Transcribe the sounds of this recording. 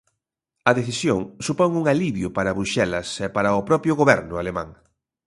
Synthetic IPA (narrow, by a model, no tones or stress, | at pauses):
ɐðeθisjoŋsupɔŋuŋaliβjʊpaɾɐβɾuʃɛlɐsɛpaɾɐʊpɾɔpɾjʊɣoβɛɾnʊalemã̰ŋ